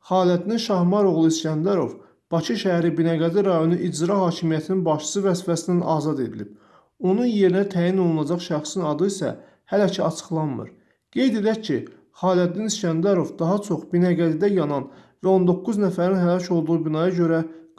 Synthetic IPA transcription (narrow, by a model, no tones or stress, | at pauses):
χɑːliætd̪ninʃɑhmɑɾo̞ɣlˠiiscænd̪æɾo̞̰v | b̥ɑcʰiʃæɦæɾibinɑɡæd̪iɾɑjo̞niʔid͡ʒɾɑɦɑːcʰimijæt̪ʰininbɑʃt͡ʃɯ̥sɯvæzfæsind̪ænʔɑːzɑd̪e̞d̪ilḭb̥ | o̞nunje̞ɾinæt̪ʰæːjino̞lˠunɑd͡ʒɑχʃæχsinɑd̪ɯisæ̰ | hælæcʰiɑt͡ʃʰɯ̥χlˠɑnmɯ̰ɾ | ɡ̥e̞jd̪e̞d̪æɾcʰi | χɑːliæt̪d̪iniscænd̪æɾo̞vd̪ɑɦɑt͡ʃʰo̞χbinɑɡæd̪id̪æjɑnɑnvæo̞nd̪o̞kːuznæfæɾinhælɑcʰo̞lˠd̪uʁubinɑjɑɟø̞ɾæ